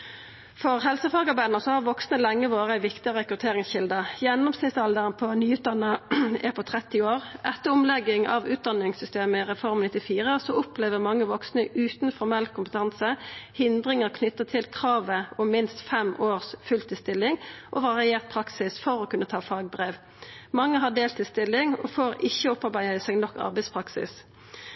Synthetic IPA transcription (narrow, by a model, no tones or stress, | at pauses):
fɔʁɦɛlsəfɑːɡɑbæɪd̪nəsɔhɑʁʋɔksnəlɛŋːəʋoːɾəæɪʋɪkt̪ɪəʁɛkɾʉt̪ʰeːʁɪŋsçɪld̪əjɛnːɔmsnɪsɑld̪əʁənpʰɔnyːʉːt̪̚d̪ɑnːəɛ̰pʰɔt̪ʰʁɛt̪ːɪoːʁʔɛt̪ːəɔmlɛɡɪŋɑ̰ʋʉːt̪̚d̪ɑnɪŋsʏst̪eːməɪʁɛfɔʁmnɪt̪ːɪfiːʁəsɔɔpleːʋəʁmɑŋːəʋɔksnəʔʉːt̪nfɔʁmɛlkʰʊmpət̪ʰɑnsəhɪnd̪ʁɪŋəʁkʰnʏt̪ːət̪ʰɪlkʰʁɑːʋəɔmmɪnst̪fɛmoːʁsfʉlt̪ʰɪst̪ɪlːɪŋʔɔʋɑʁɪeːʁt̪̚pʰʁɑksɪsfɔɾɔːkʉnːət̪ʰɑːfɑːɡ̚bʁeːʋ | mɑŋːəɦɑd̪eːlt̪ʰɪlst̪ɪlːɪŋɔ̰foːɾɪçːəɔpːɑʁbæɪəsɛɡnɔkːɑ̰ʁbɛɪspʰʁɑksɪ̰s